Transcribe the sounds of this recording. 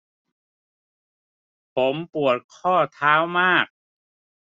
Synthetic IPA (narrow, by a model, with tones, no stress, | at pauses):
pʰo˩˦mpu˨˩ət̪̚kʰɔː˥˩t̪ʰaː˦˥wmaː˥˩k̚